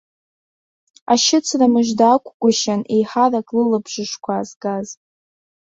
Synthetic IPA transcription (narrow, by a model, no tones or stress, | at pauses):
aʃɪt͡sʰramɨʒdaːkʷʰʼkʷʼʊʃanejħarakʼlɨlɨbʒʷɨʂkʷʰazɡaz